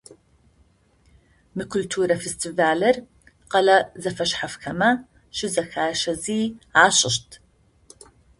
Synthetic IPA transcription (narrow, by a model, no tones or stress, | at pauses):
mɨkʷʰʊltʰuːɾɐfestʰiːvaːlɐr | qɐlɐzɐfɐɕħafxɐmɐ | ɕɪzɐxaːɕɐziːaːɕʼɪɕtʰ